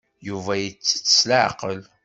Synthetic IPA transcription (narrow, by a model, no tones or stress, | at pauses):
juvæjət͡sːə̥t͡sːə̥sləʕqəl